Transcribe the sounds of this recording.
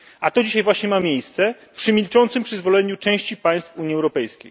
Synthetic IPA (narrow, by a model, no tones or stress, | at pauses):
ʔat̪ɔd͡ʑiɕajvwaɕɲɛmamʲjejst̪sɛ | pʂɘmʲilt͡ʂɔnt̪sɘmpʂɘzvɔlɛɲut͡ʂɛ̃w̃ɕt͡ɕipaj̃st̪fuɲiɛwɾɔpɛjskʲḛj